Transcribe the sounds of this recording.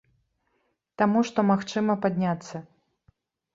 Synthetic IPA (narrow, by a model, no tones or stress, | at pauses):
t̪amuʂt̪ɔmaxt͡ʂɨmɐpad̪ʲnʲat̪sːɐ